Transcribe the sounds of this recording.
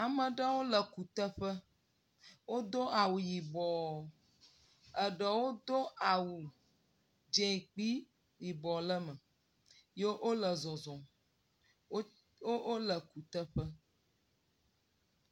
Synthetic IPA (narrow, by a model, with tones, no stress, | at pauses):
a˨mə̃˨ɖə˦wo˦lə˨ku˨t̪ə˦ɸə˦ | wo˦d̪o˦a˨wu˨ji˨bɔ˨ | ə˨ɖə˨wo˦d̪o˦a˨wu˨ | d͡ʒẽ˨i˨k͡pi˦ | ji˨bɔ˨lə˦mə̃˨ | je˦ʔo˦lə˨zɔ˨zɔ̃˨˦ | o˦o˦lə˨ku˨t̪ə˦ɸə˦